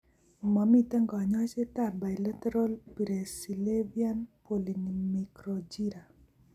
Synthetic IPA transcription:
ma˨mi˨t̪ɛ˦ŋɡɔ˨ɲɔ˦t͡ʃe˦ta˨ba˨jla˦tɛ˦ɾo˦lpi˨ɾe˨si˨le˦via˦npo˨linimi˨kɾod͡ʒi˦ɾa˨

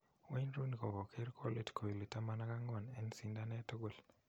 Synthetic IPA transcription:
wa˦nɾu˦n˨ko˨kɔ˨kʰe˦ɾkʰo˦le˨dkʰo˨i˨le˨ta˦ma˦na˦ka˦ŋɡɔ˨nɛ˦nsi˦nda˦nɛ˦tɔ˦ɡo˨l

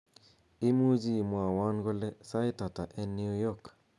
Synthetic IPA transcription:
i˦mu˦d͡ʒi˦˨mwa˨wa˦nɡo˦lɛ˦sa˦ɪ˦ta˨ta˨ʔɛ˦niu˦jɔ˦k

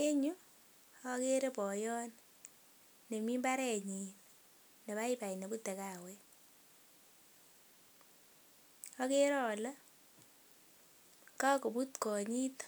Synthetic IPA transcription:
e˦ɲu˦ | a˦ke˦ɾe˦pɔ˨jɔ˦n | ne˨mi˦mba˦ɾɛ˨ɲi˨n | ne˨ba˦i˦pa˨i˨ne˨bu˦tɛ˨ka˨wɛ˦ | ɔ˦ke˦ɾɔ˨lə˦ | ka˦ko˨bu˦tkɔ˨ɲi˦t

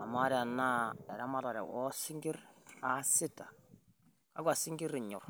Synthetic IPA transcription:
a˨ma˦ɾa˨na˦ɛ˨ɾa˦ma˦ɾa˨ɾɛ̰˨wɔ˦sɪ˦ŋɡi˦ɾa˨sɪ˦ta˨ | a˦ɡwa˨si˦ŋɡi˦ɾɪ˨ɲʊ˨r

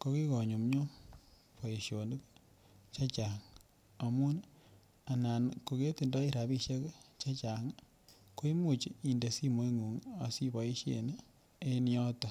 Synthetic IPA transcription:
ko˧ki˦kɔ˨ɲu˨mɲo˦ | po˨i˨ʃjo˨ndi˦k | t͡ʃa˦t͡ʃa˨ŋ | a˨mu˦n | a˨na˨nko˨ke˦ti˨ndɔ˦i˦ɾa˨bi˦ʃe˦kt͡ʃa˦t͡ʃa˨ŋ | ko˦i˦mu˨t͡ʃi˨nde˨si˦mo˦iŋu˨ŋa˨si˦bɔ˨i˦ʃḛ˨n˦ | e˦n˦jɔ˦tɔ˦

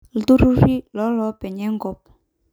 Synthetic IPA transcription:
l̩˦t̪u˦ɾu˦ɾi˦lɔ˨˦lɔ˨˦pɛ˨ɲɛ˦ŋɡɔ˨p

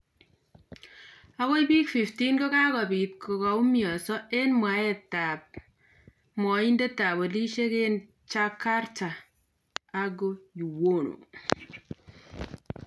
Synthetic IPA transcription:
a˦ko˦jbi˦kfi˨fti˦nɡo˦kaː˦kɔ˨bi˨t̚kʰo˨ka˨u˦mjɔ˨sɔ˦e˦nmwa˨˦e˦ta˨p̚ | mɔ˨i˦nde˦ta˨bo˨li˦ʃe˦ke˦n | t͡ʃa˦ka˦rta˨ | a˦ɡo˦ju˨wo˦no̰˨

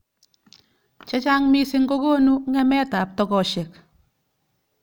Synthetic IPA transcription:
t͡ʃɛ˦t͡ʃa˦ŋmi˦sɪ˦ŋɡo˦koː˦nu˦ŋɛ˦mɛ˦ta˨p̚tɔ˨kɔ˨ʃe˨k

